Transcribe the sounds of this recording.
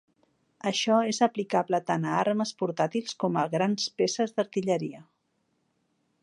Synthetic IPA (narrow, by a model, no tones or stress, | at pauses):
əʃɔezəplikaβlət̪anəaɾməspuɾt̪at̪ilˠskɔməɣɾanspesəzd̪əɾt̪iʎəɾiə